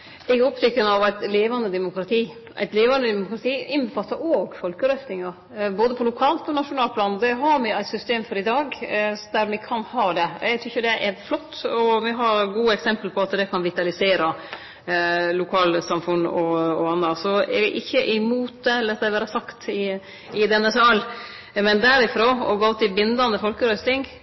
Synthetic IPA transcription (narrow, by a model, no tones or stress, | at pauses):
ɛɡɾɔpt̪ʏkːənɑʋæɪt̪leːʋɑnd̪əd̪ɛmʊkɾɑt̪ʰiː | ʔæ̰ɪt̪leːʋɑnd̪əd̪ɛmʊkɾɑt̪ʰiːɪnbəfɑt̪ːɑʔoːɡfɔlkəɾœft̪ɪŋɑ | boːd̪əpʰɔlʊkʰɑːlt̪ɔnɑʂʊnɑːlpʰlɑːnd̪ɛɦɑɾmɪæɪt̪sʏst̪eːmfɔɾɪd̪ɑːɡd̪æɾmɪkʰɑnhɑːd̪ɛɛɡt̪ʰʏçːəd̪ɛʔæɾflɔt̪ːɔʋɛɦɑɾɡuːɛksɛmpəlpʰɔɑt̪d̪ɛkʰɑnʋɪt̪ɑlɪseːɾɑ | lʊkʰɑːlsɑmfʉnːɔɔɑnːɑsɔɛʔɪçːəʔɪmuːt̪̚d̪ɛɛlːəɾt̪d̪æʋæːɾɑsɑkt̪ɪ | ɪd̪ɛnːəsɑl | mɛnd̪æɾɪfɾoːɔ̰ɡoːt̪ːɪbɪnd̪ɑnəfɔlkəɾœst̪ɪŋ